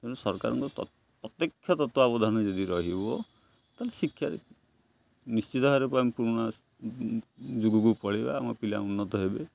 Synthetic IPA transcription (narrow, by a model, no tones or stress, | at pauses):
t̪eɽusɔɾka̰ɾɔ̰ŋkɔɔ̰ | pɾɔt̪jekʰjɔt̪ɔt̪wɔabɔd̪ʱaned͡ʒɔd̪iɾɔɦibɔ | t̪alesikʰjaɾḛ | nist͡ʃit̪ɔɦaɾepampuɽ̃a | d͡ʒuɡukupɔɽiba̰ːmɔpila̰unːɔt̪ɔɦebe